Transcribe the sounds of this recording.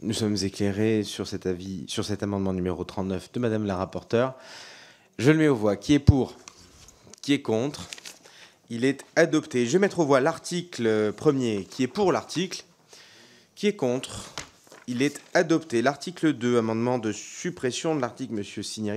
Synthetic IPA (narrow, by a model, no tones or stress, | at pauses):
nusɔmzekleʁesyʁsɛt̪avisyʁsɛt̪amɑ̃d̪mɑ̃nymeʁot̪χɑ̃t̪nœfd̪əmad̪amləʁapɔʁt̪œʁ | ʒələmɛovwakʰʲiɛpuʁ | kʲiɛkɔ̃t̪χ | ilɛt̪ad̪ɔpt̪eʒvemɛt̪χovwalaʁt̪iklpχəmjekʲʰiɛpuʁlaʁt̪ikl | kʲiɛkɔ̃t̪χ | ilɛt̪ad̪ɔpt̪elaʁt̪ikləd̪øamɑ̃d̪mɑ̃d̪əsypχesjɔ̃d̪əlaʁt̪iklməsjøsinjaʁi